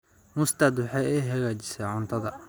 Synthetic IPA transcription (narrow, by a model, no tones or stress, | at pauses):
mʊst̪ɐd̪ʊħɛɛjɦɐɣaːt͡ʃɪsɐʕʊnt̪ʰɐðɐ